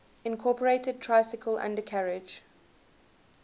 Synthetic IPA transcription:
ɪ̃nkʰɔːˑpəɹeɪtəd̚tʰɹ̥aɪsɪkʰəlʔã̰ndəkʰaɹɪd͡ʒ

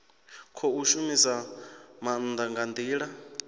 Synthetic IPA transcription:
kʰɔuʃumisamand̪aŋɡand̪iːɺa

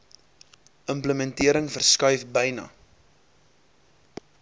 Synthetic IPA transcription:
ʔəmpləmɛntiəɾəŋfərskœɥfbəjnɐ̰

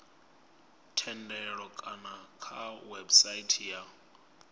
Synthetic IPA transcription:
tʰɛndɛɺɔkʼanakʰawɛbsaitʰja

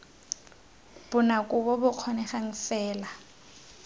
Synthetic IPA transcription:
b̥ʊnakʼʊbɔbʊq͡χʰɔnɛχaŋ̩sɛːla

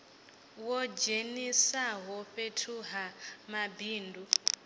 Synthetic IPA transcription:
wɔd͡ʒenisaɦɔɸetʰuɦamabiːndu

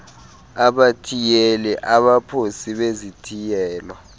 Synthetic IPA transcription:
aɓatʰijelɛʔaɓapʰosiɓezitʰijɛːlwa

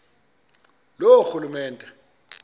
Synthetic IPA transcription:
loxulumɛːntʼɛ

